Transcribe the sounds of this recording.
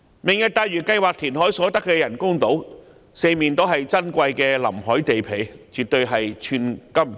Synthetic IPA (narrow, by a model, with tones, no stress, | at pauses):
mɪ˨˩ŋjɐ˧t̚t̪aː˧jɥyː˨˩kɐ˧jwaː˨k̚t̪ʰiː˨˩nɦɔː˨˥jsɔː˨˥t̪ɐ˥kːɛː˧jɐ˨˩nkʊ˥ŋt̪o˨˥w | se˧jmiː˨nt̪o˥ɦɐ˨jt͡sɐ˥nkʷɐ˧jkɛː˧lɐ̰˨˩mɦɔː˨˥jt̪e˨jpʰe˨˩jt͡ʃyː˨t̚t̪ɵ˧ɥɦɐ˨jt͡ʃʰyː˧nkɐ˥m